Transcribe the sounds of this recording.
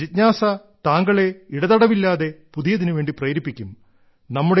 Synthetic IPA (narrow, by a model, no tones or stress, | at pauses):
it̚ɲaːsɐ | t̪aːŋɡɐɭeiɽɐðɐɽɐʋilːaːðe̞puðijɐðinɨʋe̞ːɳɖiprɐjːɾipːikʲːum | nɐmːuɽe